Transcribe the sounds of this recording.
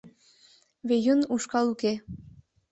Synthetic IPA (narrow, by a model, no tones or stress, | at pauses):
βejunuʃkɑluke